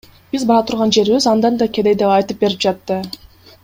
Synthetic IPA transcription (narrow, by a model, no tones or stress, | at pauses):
b̥izbɑɾɑt̪ʰuɾʁɑnd͡ʒe̞ɾβizɑnd̪ɑnd̪ɑkʲed̪ejd̪eɑjt̪ɯp̚be̞ɾip̚d͡ʒɑt̪ːɯ